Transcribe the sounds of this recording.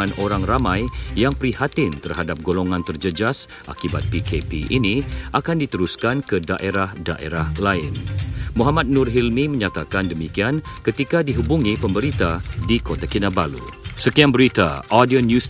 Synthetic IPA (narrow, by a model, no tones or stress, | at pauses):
anʔoɾaŋramãjːaŋpəɾihat̪ɪnt̪ərhadap̚ɡoloŋãnt̪ərd͡ʒəd͡ʒas | ʔa̰kibat̪̚pikepḭʔiniʔakandit̪əɾuskankədaʔeɾahdaʔḛɾahlaɪnmuɦamat̪̚nʊrɦilmimə̃ɲat̪akandəmikiankət̪ikadiɦubuŋipəmbəɾit̪adikot̪akinabalṵsəkiaŋbəɾit̪a̰ʔadionjus